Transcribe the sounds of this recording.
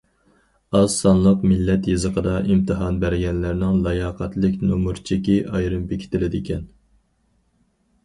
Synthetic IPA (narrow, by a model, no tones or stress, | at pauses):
ɑzsɑnlˠəqmɪlːɛt̪jɨzəqʰəd̪ɑʔimt̪ʰɨɦɑnbæɾɡʲɛnlɪɾnɪŋlˠɑjɑːqʰɑt̪lɪkʲnomuɾt͡ʃʰikʲiʔɑjɾɨmbekʲʰɪ̥t̪ʰɪlɪd̪ɪkʲʰɛn